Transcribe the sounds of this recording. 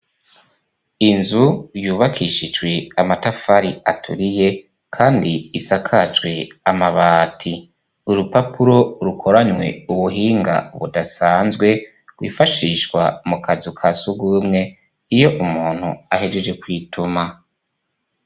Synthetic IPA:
inzujuːβakʰiʃid͡ʒɡwe̞amatafaɾiatʰṵɾije̞ | kʰaːndiisakʰat͡ʃweamaβaːtʰi | uɾupapʰuɾo̞ɾukʰo̞ɾaɲwe̞̰uβuɦiːŋɡa̰βṵdasaːnzɡwe̞ | ɡwḭːfaʃiːʃwa̰mukazukʰasuɡumŋe̞ | ijo̞ʔumuːn̥huahed͡ʒed͡ʒekwiːtʰuma

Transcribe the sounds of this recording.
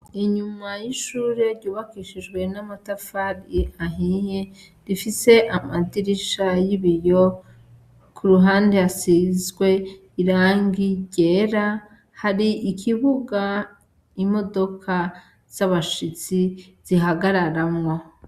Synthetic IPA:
iɲumajiʃuːɾe̞ɾɟuːβakiʃid͡ʒɡwe̞namatafaɾiaɦije | ɾifise̞ʔamadiɾiʃajiβijo̞ | kʰuɾuɦaːndeasizɡwe̞ | iɾaːŋɡiɟe̞ɾa | haɾiʔikʰiβuɡa | imo̞do̞kʰa | z̥aβaʃit͡si | z̥iɦaɡaɾaɾamŋo̞

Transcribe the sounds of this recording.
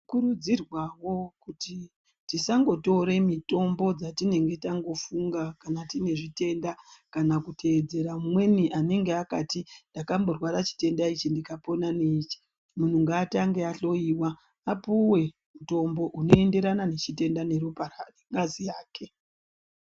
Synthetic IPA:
kuɾud͡zirwawo̞kuti | tisaŋɡo̞to̞ɾe̞mito̞mbo̞d͡zatine̞ŋɡe̞taŋɡo̞fuŋɡakanatine̞ʐite̞ndakanakutʰe̞ːd͡ze̞ɾamumwe̞niʔane̞ŋɡeakatindakambo̞rwaɾat͡ʃi̥te̞ndait͡ʃindikapo̞nanet͡ʃi̥ | mun̤uŋɡaːtaŋɡe̞aɬo̞iːwaː | puwe̞ | muto̞mbo̞ʔuno̞e̞nde̞ɾanane̞t͡ʃite̞ndane̞ɾuparareŋɡazijaːkʰe̞

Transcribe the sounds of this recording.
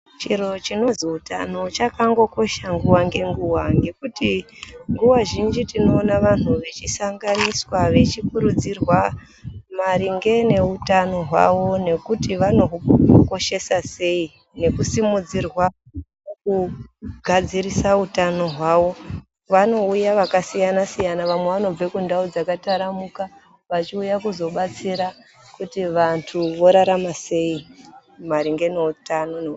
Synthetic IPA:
t͡ʃiro̞t͡ʃino̞ziuta̰no̞t͡ʃakaŋɡo̞ko̞ʃaŋɡuwaŋɡe̞ŋɡuwaŋɡe̞kutiŋɡuwaʒind͡ʒitino̞ːnaʋan̤uʋe̞t͡ʃisaŋɡaniswaʋe̞t͡ʃikuɾud͡zirwa | maɾiŋɡe̞ne̞utano̞ɦwa̰ʋo̞ne̞kutiʋano̞ɦuko̞ʃe̞sase̞i | ne̞kusimud͡zirwa | nokuɡʱad͡ziɾisautano̞ɦwaʋo̞ | ʋano̞ujaʋakasijanasijanaʋamwe̞ʋano̞b͡vekundaud͡zakataɾamuka | ʋat͡ʃiujakuzo̞ɓat͡siɾa | kutiʋantʰuʋo̞ɾaɾamase̞imaɾiŋɡe̞ne̞utano̞ne

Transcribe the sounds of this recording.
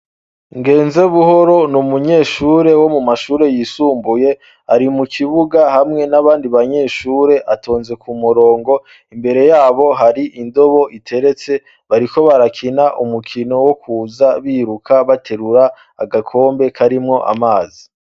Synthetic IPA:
ŋɡe̞ːnze̞βuɦo̞ɾo̞numuɲe̞ːʃuːɾe̞wo̞mumaʃuːɾe̞jiːsuːmbuje̞ | aɾimukʰiβuɡaɦamŋe̞naβaːndiβaɲe̞ːʃuːɾe̞ʔatʰo̞ːnze̞kumuɾo̞ːŋɡo̞ | imbe̞ɾe̞jaːβo̞ɦaɾiʔindo̞βo̞ʔitʰe̞ɾe̞t͡se̞ | βaɾiko̞βaɾakʰinaʔumukʰino̞wokʰuːzaβiɾukʰaβatʰe̞ɾuɾa̰ː | ɡakʰo̞ːmbe̞kʰaɾimŋo̞ʔa̰maːzi

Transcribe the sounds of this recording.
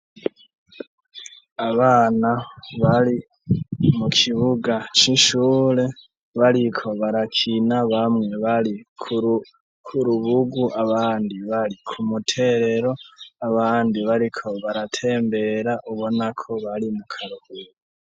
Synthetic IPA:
aβaːnaβaɾi | mukʰiβuɡat͡ʃiʃuːɾe̞ | βaɾikʰo̞βaɾakʰinaβamŋe̞βaɾikʰu | kʰuɾuβuɡuʔaβaːndiβaɾikʰumutʰe̞ɾe̞ɾo̞aβaːndiβaɾikʰo̞βaɾatʰe̞ːmbe̞ɾaʔuβo̞nakʰo̞βaɾimukʰaɾuhuɾu

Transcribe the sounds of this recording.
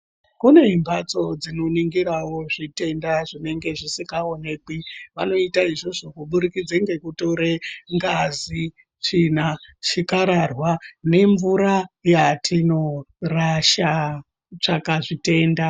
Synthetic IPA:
kune̞imbat͡so̞d͡zino̞niŋɡiɾawo̞ʐite̞ndaʐine̞ŋɡe̞ʐisikaone̞ːkiʋano̞itaiʐo̞ʐo̞kuɓuɾikid͡zeŋɡe̞kuto̞ɾeŋɡazi | t͡ʃinat͡ʃikaɾarwane̞ɱvuɾajatʰino̞raʃa | t͡ʂakaʐite̞ːnda

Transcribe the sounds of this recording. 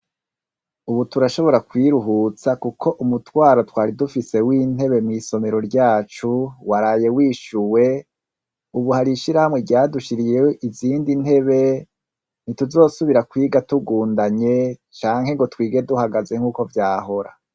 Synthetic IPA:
uβutuɾaʃo̞βo̞ɾakwiːɾuɦut͡sakukʰo̞ʔumutwaːɾotwaːɾidufise̞wiːn̥he̞βemŋiːso̞me̞ɾo̞ɾɟaːt͡ʃuwaɾaːje̞wiːʃuwe̞ | uβuhaɾiʃiɾahamŋe̞ɾjaːduʃiɾijewoʔiziːndin̥he̞βe̞ | n̥ituzo̞ːsuβiɾakwiːɡatuɡuːndaɲe̞t͡ʃaːŋ̥he̞ŋɡo̞twiːɡe̞duhaɡaze̞ŋ̥uːko̞vjaːɦo̞ɾa̰

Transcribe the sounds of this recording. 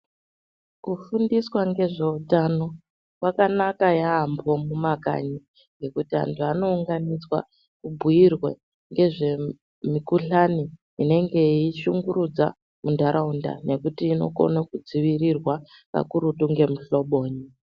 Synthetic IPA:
kufundiswaŋɡe̞ʐe̞utano̞ | kwakanakajaːmbo̞mumaka̰ɲi | ŋɡe̞kutiɦa̰ntʰuano̞uŋɡanid͡zwa̰ | kubʱuirwe | ŋɡe̞ʐe̞ | mikuɬani | ine̞ŋɡe̞iʃuŋɡuɾud͡za̰ | mundʱaɾʔaunda̰ne̞kutiːno̞̰ko̰nakud͡ziʋirirwa | ka̰kuɾutuŋɡe̞muɬo̞ɓo̞ːɲi

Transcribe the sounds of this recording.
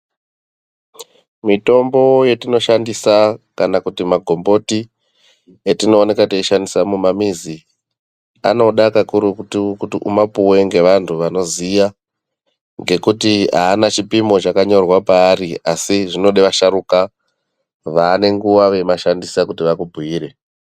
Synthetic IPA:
mito̞mbo̞je̞tino̞ʃandisakanakutimaɡʱo̞mbo̞ti | etino̞ːne̞kateiʃandisamumamizi | a̰no̞ɗakakuɾukutikutiʔumapuwe̞ŋɡe̞ʋantʰuʋano̞zija | ŋɡe̞kutia̰ːnat͡ʃipimo̞t͡ʃakaɲo̞rwapaːriasiʐino̞ɗeʋaʃaɾuka | ʋaːne̞ŋɡuʋaʋe̞maʃandisakutiʋakubʱuiːɾe̞

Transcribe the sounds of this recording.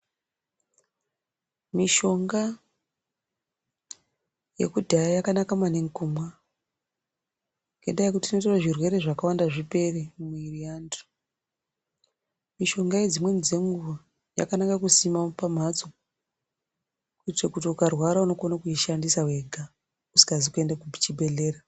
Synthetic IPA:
miʃo̞ŋɡa | je̞̰kudʱajajakanakamane̞ŋkumwa | ŋɡe̞̰ndajekutiinotaraʐirwe̞ɾe̞ʐakawandaʐipe̞remuiriando̥ | miʃo̞ŋɡajed͡zimwe̞nid͡ze̞ŋɡuʋa | ja̰kanakakusimapam̤at͡so | kuitekutiukarwaɾauno̞konakuiʃandisawe̞ɡʱa | usi̥ɡazikue̞ndakupit͡ʃibʱe̞ɮe̞ːra

